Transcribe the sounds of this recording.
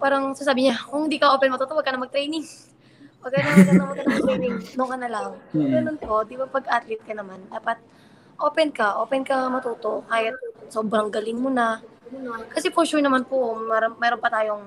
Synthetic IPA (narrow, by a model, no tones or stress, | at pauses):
paːɾɐŋsas̬aːbɪɲakʊŋhɪnd̪iːkɐʔo̞ːpɛnmɐt̪uːt̪oʔwɐɡkɐnɐmɐɡ̚t̪ɾɛjnɪŋ | wɐɡ̚kanɐɐkɐnɐŋmɐɡkɐnɐmt̪ɾɛjnɪŋnokɐnɐlaŋɡɐnonpod̪ibapɐɡʔat̪lɪt̪̚kɐnɐmand̪aːpɐt̪̚ | ʔo̞ːpɛnkɐʔo̞ːpɛnkɐmɐt̪uːt̪o̞ʔhaːjɐsoːbɾɐŋɡɐlɪŋmʊnankɐsɛpoʃʊɹnɐmanpomɛɾomɛːɾonpɐt̪aːjo̞ŋ